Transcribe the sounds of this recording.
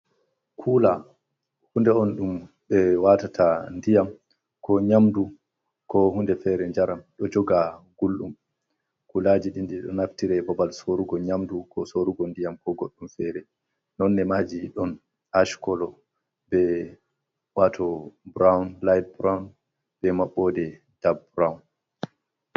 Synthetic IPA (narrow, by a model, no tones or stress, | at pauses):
kʰuːla | hundɛɔnɗum | ɓɛwatatʰandijam | kɔɲamdu | kɔhundɛfɛɾɛɲd͡ʒaɾamɗɔd͡ʒɔɡaɡ̥ulɗum | kulaːd͡ʒiɗinɗiɗɔ̰naftiɾɛbɔbalsoɾuɡɔɲamdukʰɔsoɾuɡɔndijamkɔɡoɗːumfɛɾɛ | nɔnːɛmaːd͡ʒiɗɔn | aʃkɔlɔ | bɛ | watʰɔbɾawnlajd̚bɾawn | bɛmaɓːɔdɛ | d̥ab̚bɾawn